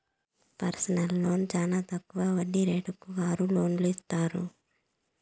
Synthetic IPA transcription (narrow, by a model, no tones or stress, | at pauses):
pɐɾsɐnɐlːo̞ːnut͡ʃaːnaːt̪ɐkːuʋaːʋɐɖːiɾeːʈukːuʋaːɾulo̞ːnluist̪aːɾṵ